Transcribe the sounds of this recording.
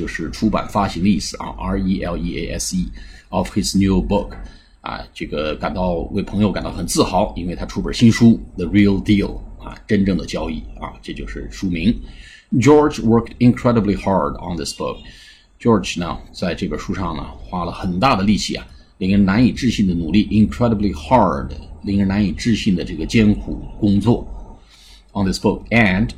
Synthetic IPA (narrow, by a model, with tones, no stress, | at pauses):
t͡ɕjo˥˧ʊʂɻ̩˥˩ʈ͡ʂʰu˥pa̰˨˩nfa˥ɕi˧˥ŋəi˥˩sɹ̩˨˩ʔɐ̰˧ʔɑ˧˥i˥ʔɛ̰˥li˥ḛ˥ɪʔɛ̰˥si˥ɔ˨˩fxɪ˧˩snju˥˩bʊ˥˩kʰ | ɐ̰˨˩ʈ͡ʂɤ˥˩ɡə˩ka˨˩nt̪ɑ˥˧ʊwḛ˥˩ɪpʰɤ˧˥ŋjo˧ʊka˨˩nt̪ɑ˥˩ʊxə˨˩nt͡sɹ̩˥˩xɑ˨˧˩ʊi˥nwe˥˩ɪt̪ʰa˥ʈ͡ʂʰu˥pə̰˞˨˩ɕi˥nʂu˥ðə˩ɹi˥˩lˠd̪i˥˩lˠɐ̰˧˩ʈ͡ʂə˥nʈ͡ʂɤ˥˩ŋd̪ə˩t͡ɕjɑ˥ʊi˥˩ɐ̰˧ʈ͡ʂɤ˥˧t͡ɕjo˥˧ʊʂɻ̩˥˩ʂu˥mi˧˥ŋ | ʈ͡ʂjɔ˥˩d͡ʒwɜ˥kti˧nkʰɹɛ˥ɾə˧bli˧xɑ˥ɹdə̰˨nðɪ˥sb̥ʊ̰˥˩k̚ | t͡ɕjɔ˥˩d͡ʒnə̰˨t͡sa˥˧ɪʈ͡ʂɤ˥˩ɡə˩ʂu˥ʂɑ˥˩ŋnə̰˩xwa˥lə˨xə˨˩nt̪a˥˩d̪ə˩li˥˩ɕḭ˥˩ɐ̰˩ | li˥˩ŋə˥na˧˥ni˨˩ʈ͡ʂɻ̩˥˧ɕi˥˩nd̪ə˩nu˨˩li˥˩ʔi˧nkʰɹɛ˥ɾə˧˩bli˧xɑ˥˧˩dli˥˩ŋə˥˧na˧˥ni˨˩ʈ͡ʂɻ̩˥˧ɕi˥˩nd̪ə˩ʈ͡ʂɤ˥˩ɡə˩t͡ɕjɛ˥nkʰṵ˨˩kʊ˥ŋt͡swɔ̰˥˩ | ə˩nðɪ˥sb̥ʊ˥˩k̚ə˨˩n